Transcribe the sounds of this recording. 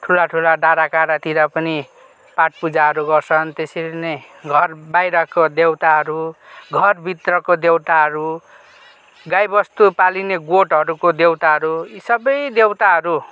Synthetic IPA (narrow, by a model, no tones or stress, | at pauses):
ʈʰulaʈʰulaɖaɾakaɾat̪iɾʌpʌni | paʈ̚pud͡zaɦʌɾuɡʌrt͡sʰʌnt̪esiɾinʌj | ɡʱʌrbajɾʌkod̪ewt̪aɦʌɾuɡʱʌrbʱit̪rʌkod̪ewt̪aɦʌɾu | ɡajbʌst̪upalineɡoʈɦʌɾukod̪ewt̪aɦʌɾuisʌbʌjd̪ewt̪aɦʌɾu